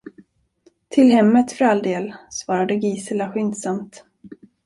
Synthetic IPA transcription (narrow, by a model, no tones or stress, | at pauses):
t̪ʰɪlɦɛmːət̪fœɾald̪eːlsvɑːɾad̪əɡiːsəlaɧʏnd̪samt̪